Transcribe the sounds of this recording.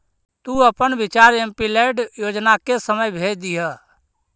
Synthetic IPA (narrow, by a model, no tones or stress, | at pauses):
t̪uəpənbɪt͡ʃaːɾempilɛɖjoːd͡ʒnakesəməjbʱeːd͡ʒd̪iɦə